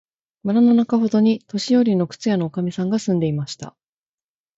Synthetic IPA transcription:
maɾanonakaho̞d̪o̞ɲ̟it̪o̞ɕijo̞ɾʲino̞kɯ̟̥t͡sɨjano̞ːkamʲisãŋɡasɨ̃nd̪e̞imaɕi̥t̪a̰

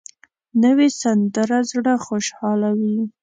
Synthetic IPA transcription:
nəwesand̪əɾazɽaxoʃhɑlawi

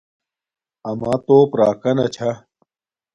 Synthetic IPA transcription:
ɐmãːt̪oːpɾaːkɐnɐt͡ɕʰa

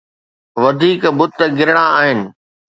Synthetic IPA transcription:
ʋɐd̪ʱiːkbʊt̪ːɡɪɾɪɽ̃ãaːɦɪnɪ̆

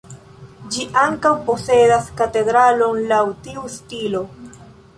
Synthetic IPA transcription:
d͡ʒiʔaŋkawpo̞se̞daskate̞dɾalo̞nlawtiustilo̞

